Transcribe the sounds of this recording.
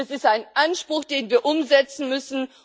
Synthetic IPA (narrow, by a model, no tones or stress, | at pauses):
ɛsɪstaɪnʔanʃpʁ̥ʊxd̥eːnviːɐʔʊmzɛt͡sn̩mʏsn̩